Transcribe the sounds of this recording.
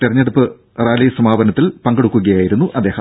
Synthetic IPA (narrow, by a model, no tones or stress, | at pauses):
t̪erɐɲːɐðɐpːɨ | raːlisɐmaːbɐnɐt̪ːilpɐŋɡeɽukːuɣɐjaːjiɾunːuʔɐd̪ːeːhɐm